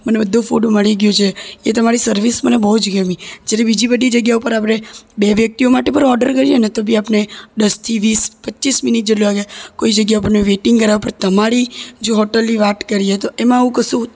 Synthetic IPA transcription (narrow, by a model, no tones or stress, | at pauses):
mənebəd̪ʱːũfuɖməɭiɡjot͡ʃʰeet̪əmaɾisəɾʋismənebəɦud͡ʒɡəmĩd͡ʒjaɾebid͡ʒibəd̪ʱid͡ʒəɡjaupəɾapɽebeʋjək̚t̪iomaʈepəɾɔɾɖəɾkəɾijenet̪obʱiapned̪əst̪ʰiʋispətːt͡ʃisminiʈ̚d͡ʒeʈluaɡjakoid͡ʒəɡjaupəɾneʋeʈiŋɡkəɾaʋapəɾt̪əmaɾid͡ʒoɦoʈəlːiʋat̪kəɾiet̪oʔemãəũkəsũ